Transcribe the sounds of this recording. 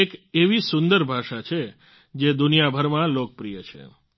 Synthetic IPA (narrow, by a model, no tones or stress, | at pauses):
ekeʋisʊnd̪əɾbʱaʃat͡ʃʰe | d͡ʒed̪unijabʱəɾmãlok̚əpɾijət͡ʃʰḛ